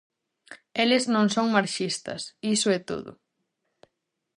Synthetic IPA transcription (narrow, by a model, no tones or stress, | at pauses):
elɪznõŋsoŋmaɾʃist̪ɐ̰sisʊɛt̪o̰ðʊ̰